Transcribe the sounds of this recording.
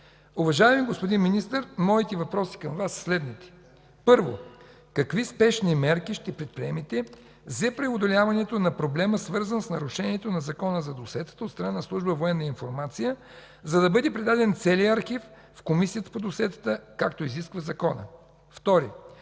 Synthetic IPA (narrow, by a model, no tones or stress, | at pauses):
uvɐʒaɛmiɡospod̪inminist̪əɾmɔit̪ɛvɐpɾɔsi̥kɐmvasslɛd̪nit̪ɛ̥ | pɤɾvo | kɐkvispɛʃnimɛɾkiʃt̪ɛpɾɛt̪̚pɾiɛmit̪ɛ | zɛpɾɛod̪olʲjavɐnɛt̪onɐpɾoblɛməsvɤɾzənsnɐɾʊʃɛniɛt̪onɐzɐkɔnəzɐd̪osɛt̪ə̥t̪əot̪st̪ɾɐnanɐslˠuʒbəvoɛnːɐəinfoɾmat̪sijə | zɐd̪ɐbɤd̪ɛpɾɛd̪ad̪ɛnt̪sɛliəɐɾxif | fkomisijət̪ə̥pod̪osɛt̪ə̥t̪əkakt̪oiziskvəzɐkɔnə̰ | ft̪ɔɾi